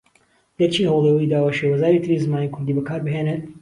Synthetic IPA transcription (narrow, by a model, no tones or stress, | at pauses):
dɛɾt͡ʃʰiːhəwlˠewəid̪aːwaːʃeːwɐzaːɾiːt̪ʰɨɾizmaːniːkʰʊɾd̪iːbɐkʰaːɾbɨɦeːnet̪